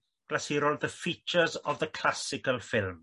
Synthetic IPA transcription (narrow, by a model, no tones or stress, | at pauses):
ɡ̥lasiɾɔlˠðəfit͡ʃəzɔvðəkʰl̥asɪkəlˠfɪlˠm